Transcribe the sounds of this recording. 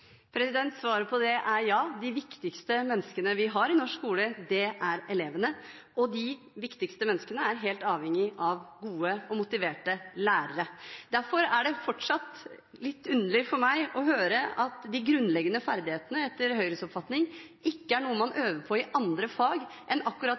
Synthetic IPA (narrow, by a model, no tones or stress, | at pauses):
pʰɾɛsɪd̪ɛnt̪sʋɑːɾəpʰɔd̪ɛʔæɾjɑːd̪ɪʋɪkt̪ɪkst̪əmɛnːskənəʋɪɦɑɾɪnɔʂkuːləd̪ɛʔæɾɛleːʋənəʔɔd̪ɪ | ʋɪkt̪ɪkst̪əmɛnːəskənəæɾɦeːlt̪ɑːʋhɛŋːɪʔɑʋɡuːəɔmʊt̪ɪʋeːʈəlæːɾəɾəd̪̥æɾfɔɾæɖɛfɔʈʂɑt̪ | lɪt̪ːʉnəɭɪfɔɾmæɪʔɔɦøːɾəʔɑt̪d̪ɪɡɾʉnːlɛɡːənəfæɾd̪ɪheːt̪ənəɛt̪ːəɾhœʏɾəsɔpfɑt̪nɪŋɪkːəæɳuːəmɑnʔøːʋəɾpʰɔɪʔɑnd̪ɾəfɑːɡʔɛnɑkːʉɾɑt̪